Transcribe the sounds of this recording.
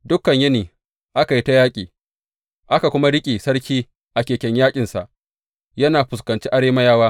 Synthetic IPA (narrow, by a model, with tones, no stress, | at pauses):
dʊ˦kːɐ˨ɲjɐ˦niː˨ | ʔa˦ka˨ji˦ta˦jaː˦kʲʼiː˨ | ʔa˦ka˨kʷʊ˦ma˦ɽɪ˦kʲʼiː˨sɐ˦ɽkʲiː˦ | ʔa˨kʲeː˨kʲɛ˨ɲjaː˦kʲʼɪ˨nsa̰˨ʔ | jɐ˦naː˨ɸʊ˨skɐ˨nt͡ʃiː˦ʔa˦ɽeː˦ma˦jaː˦waː˦